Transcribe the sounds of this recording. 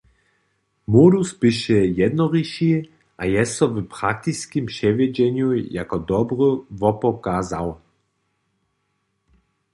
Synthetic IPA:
muɾuspiɕɛjɛd̪nɔʁiɕi | ʔajɛsɔvpɾak̚t̪iskʲimpɕɛvʲjɛd͡ʑɛɲuja̰kɔd̪ɔbɾɨvɔpɔkazaw

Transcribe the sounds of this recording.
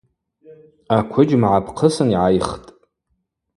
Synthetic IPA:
akʷʰʊd͡ʒmʕapʰqʰəsɨniʕajχtʼ

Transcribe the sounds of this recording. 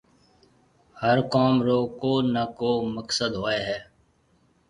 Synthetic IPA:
həɾkɔːmɾoːkoːnəkoːməksəd̪ɦoːeːɦɛː

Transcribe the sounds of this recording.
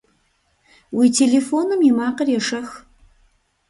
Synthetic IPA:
wiːtʰeːleːfoːnɨmimaːqərjɛʂɐx

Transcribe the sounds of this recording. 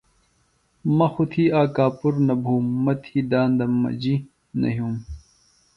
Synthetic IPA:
mɐxut̪ʰiːaːkaːpuɾnɐbʱuːmːɐt̪ʰiːd̪aːnd̪ɐmːɐ̰d͡ʑi | nɐ̰ɦjuːm

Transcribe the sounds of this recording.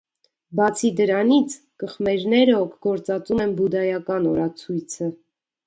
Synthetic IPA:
bɑt͡sʰid̪əɾɑnit͡sʰ | kəχmɛɾnɛɾəɔkʰɡɔɾt͡sɑt͡sumɛnbud̪ɑjɑkɑnɔɾɑt͡sʰujt͡sʰə

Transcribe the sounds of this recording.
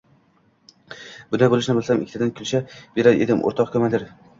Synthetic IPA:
bʊnd̪ajbolˠɪʃnɪbɪlˠsamʔɪ̰kʰʲːt̪ad̪ankʲʰʊlʃab̥e̞ɾad̪ʔḛd̪ɪmʔo̰ɾt̪ʰɒqkʰɵmad̪ɪɾ

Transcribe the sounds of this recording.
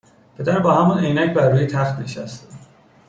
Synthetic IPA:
pʰed̪æɾbɒːhæmunejnæcbæɾːuːjit̪ʰæχt̪neʃæst̪

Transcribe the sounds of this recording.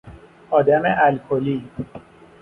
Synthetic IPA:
ɒːd̪æmeʔælkʰoli

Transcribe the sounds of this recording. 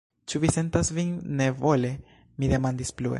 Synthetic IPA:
t͡ʃuvise̞ntasvinːe̞vo̞le̞ | mid̪e̞mand̪ispluḛ

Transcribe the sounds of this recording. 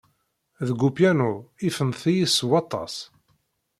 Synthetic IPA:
ðɡupjænʊifənθijiswɑt̪ˤːɑ̰s

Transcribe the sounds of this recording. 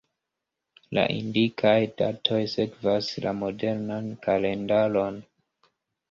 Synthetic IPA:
la̰ʔḭndikʰajdatʰo̞jse̞kvasla̰mo̞de̞ɾnankale̞ndalo̞n

